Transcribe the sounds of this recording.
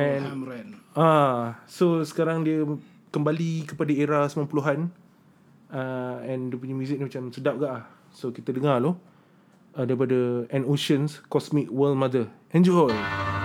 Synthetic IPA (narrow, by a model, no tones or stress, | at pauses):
ɛ̃n | asosə̥kaɾaŋdiə | kəmbalikəpadaeɾasəmapəluɦan | əɛ̃ndiəp̬uɲamjuzɪk̚nimat͡ʃamsədap̚ɡaʔlah | sokit̪ədəŋalɔ | ədaɾip̬adəɛ̃noʃənskɔsmik̚wəlmad̪əʔɛ̃nd͡ʒəɦɔl